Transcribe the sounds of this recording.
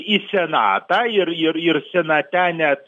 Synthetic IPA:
isʲɛnɑ̰ːt̪ɑːɪɾɪɾɪɾsʲɛnɐt̪ʲæːnʲɛt̪̚

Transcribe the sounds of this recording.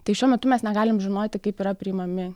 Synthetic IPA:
t̪ɐɪʃʲuɔmʲɛt̪ʊmʲɛsnʲɛɡɑːlʲɪmʒʲɪnoːt̪ʲɪkɐɪpiːɾɐpʲɾʲiːmɐmʲɪ

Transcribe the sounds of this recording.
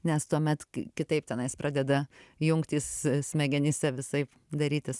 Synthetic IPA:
nʲɛst̪uɔmʲɛt̪kʲɪt̪ɐɪp̚t̪ʲɛnɐɪsprɑːd̪ʲɛd̪ɐjʊŋkt̪ʲiːssʲmʲɛɡʲɛnʲiːsʲɛʋʲɪsɐɪp | d̪ɐɾʲiːt̪ʲɪs

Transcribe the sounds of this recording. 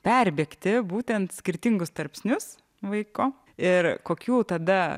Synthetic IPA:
pʲɛɾʲbʲeːkt̪ʲɪbuːt̪ʲɛnt̪sʲkʲɪɾʲt̪ʲɪŋɡʊst̪ɐɾʲpʲsʲnʲʊs | ʋɐɪkoː | ɪɾkoːkʲuːt̪ɐd̪ɐ

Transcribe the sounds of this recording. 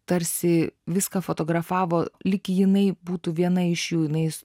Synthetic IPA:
t̪ɐɾʲsʲɪʋʲɪskɐfot̪oːɡɾɐfɑːʋoːlʲɪkʲɪjɪnɐɪbuːt̪uʋʲiɛnɐɪʃjuːjɪnɐɪ

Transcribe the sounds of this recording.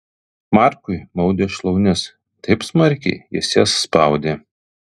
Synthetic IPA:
mɑˑɾkʊɪmɒʊd̪ʲeːʃlˠɐʊnʲɪs | t̪ɐɪpsmɐɾʲkʲɛ̰ɪjɪ̰sjɛsːpɐʊd̪ʲeː

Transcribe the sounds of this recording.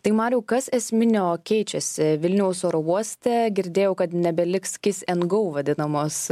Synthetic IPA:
t̪ɐɪmɑːɾʲuːkɐsɛsʲmʲɪnʲoːkʲɛɪt͡ʃʲɛsʲɪʋʲɪlʲnʲɛʊsoːɾoʋuɔsʲt̪ʲɛɡʲɪɾʲd̪ʲeːjɛʊkɐt̪nʲɛbʲɛlʲɪkskʲɪsɛnɡɐʊʋɐd̪ʲɪnɐmoːs

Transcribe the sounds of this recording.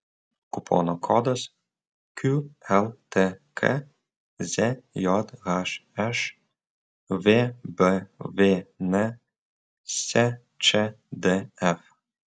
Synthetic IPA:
kupʰo̰nɔkʰɔd̪əs | kʰuɛlˠt̪ʰekʰə̰ | zejɔd̪ɣaʃɛʃ | vebəvenɛ | se | t͡ʃe | d̪eɛf

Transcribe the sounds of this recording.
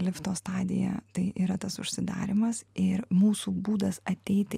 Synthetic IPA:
lʲɪft̪oːst̪ɑːd̪ʲɪjɛ̰t̪ɐɪʔiːɾɐt̪ɐsʊ̰ʃʲsʲɪd̪ɑ̰ːɾʲɪmɐsɪɾmuːsuːbuːd̪ɐsɐt̪ʲɛɪt̪ʲɪ

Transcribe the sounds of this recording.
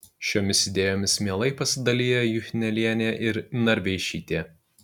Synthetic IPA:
ʃʲoːmʲɪsɪd̪ʲeːjoːmʲɪsmʲiɛlˠɐɪpɐsʲɪd̪ɐlʲiːjɛjʊxʲɪnʲɛlʲiɛnʲeːʔɪɾnɐɾʲʋʲɛɪʃʲiːt̪ʲeː

